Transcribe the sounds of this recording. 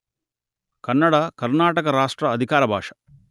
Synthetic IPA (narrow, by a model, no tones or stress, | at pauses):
kɐnːɐɽakɐɾnaːʈɐkɐɾaːʂʈɾɐːd̪ʱikaːɾɐbʱaːʂɐ̥